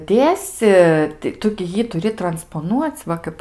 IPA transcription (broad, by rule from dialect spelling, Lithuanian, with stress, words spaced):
ˈdʲeːsʲɪ tɐɪ ˈtʊ ɡʲɪ ˈjiː tʊˈrʲɪ trɐnspoːˈnuɔt͡sʲ ˈʋɐ kɐɪp